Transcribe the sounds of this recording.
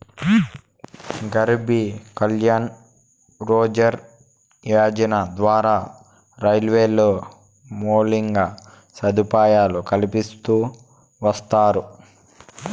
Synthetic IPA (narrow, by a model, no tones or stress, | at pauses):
ɡɐɾbikɐljaːn | ɾoːd͡ʒɐɾ | jaːd͡ʒɐnɐd̪ʋaːɾaː | ɾɐjlʋeːloː | moːliŋɡaː | sɐd̪ipaːjaːlukɐlipist̪uː | ʋɐst̪aːɾu